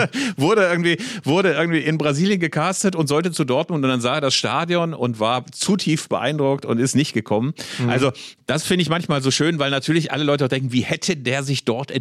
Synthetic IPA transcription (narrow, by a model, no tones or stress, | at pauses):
vʊɐɾəɪɡŋ̩tv̥iːvʊɐdəʔɪɐɡŋ̩tv̥iːɪnbʁaziːljənɡəkʰaːstətʊntz̥ɔltət͡sudɔɐt̚mʊntʊnd̥anzaːeɐdasʃta̰ːdjɔnʊ̰ntv̥aːɐt͡sutʰiːft̚b̥əʔa̰ɪndʁʊk̚tʊ̰ntɪstnɪçt̚ɡ̥əkʰɔmənʔalzod̥asfɪndəɪçmançmaːlzoːʃøːnvaɪlnatʰyːɐlɪçʔa̰ləlɔʏtəaʊdɛŋkŋ̩viːhɛtʰədeːɐzɪçd̥ɔɐtʔɛ